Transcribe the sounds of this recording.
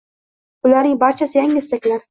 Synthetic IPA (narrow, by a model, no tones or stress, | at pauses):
ʊlaɾnɪŋbaɾt͡ʃʰasɪjaŋɡʲɪst̪akʲlaɾ